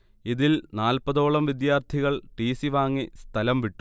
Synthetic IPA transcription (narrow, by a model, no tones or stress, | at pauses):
iðilnaːlpɐðo̞ːɭɐmʋid̪jaːrt̪ʰiɣɐɭʈiːsiʋaːŋːist̪ʰɐlɐmʋiʈːu